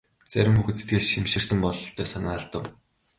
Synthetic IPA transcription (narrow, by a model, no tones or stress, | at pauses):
t͡sæ̰ɾʲɪ̆mxuɣɘ̆se̥t̪ɡɘ̆ɮʃimʃɪ̆rsə̆mpɔɮɬt̪ʰœːsanaːɮt̪ə̆w